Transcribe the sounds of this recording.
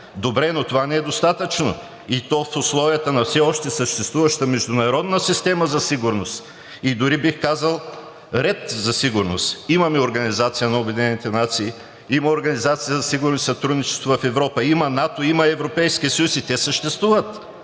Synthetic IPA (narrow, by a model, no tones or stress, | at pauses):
d̪obɾɛnot̪ovanɛɛd̪ost̪at̪ət͡ʃno̰ | it̪ɔfʊslˠɔviət̪ənɐfsɛɔʃt̪ɛsəʃt̪ɛst̪vuvɐʃt̪əmɛʒd̪ʊnɐɾɔd̪nəsist̪ɛməzɐsiɡʊɾnos | id̪ʊɾibixkazəlˠ | ɾɛt̪zɐsiɡʊɾnost̪imɐmɛoɾɡɐnizat̪sijənɐobɛd̪inɛnit̪ɛnat̪siː | imɐoɾɡɐnizat̪sijəzɐsiɡʊɾnosisɐt̪ɾud̪nit͡ʃɛst̪vovɐfɛvɾɔpəimɐnat̪oimɐɛvɾopɛjskiəsəjusit̪ɛsəʃt̪ɛst̪vuvɐt̪